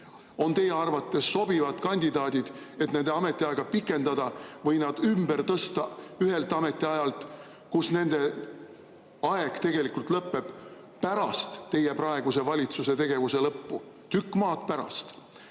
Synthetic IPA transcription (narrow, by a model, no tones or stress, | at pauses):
o̞nt̪e̞jeɑrvɑt̪ːˑe̞sːo̞b̥ivɑt̪kɑnʲd̪̥ʲid̪̥ɑːd̪ʲid̪̥e̞t̪neneɑme̞t̪ːˑiɑeɡ̥ɑpikːˑe̞nd̪̥ɑd̪̥ɑvɤjnɑd̪̥ymb̥ert̪ɤst̪ɑyɦe̞lt̪ˑɑme̞t̪ʲːˑiɑjɑlt̪ | kusne̞nd̪e̞ | ɑe̞ɡ̥t̪e̞ɡ̥e̞likːult̪lɤpːe̞b̥ | pæɾɑst̪ːe̞jeprɑe̞ɡ̥use̞vɑlʲit̪suse̞t̪e̞ɡ̥e̞vuse̞lɤpːu | t̪ykːˑmɑːt̪pæɾɑ̰st̪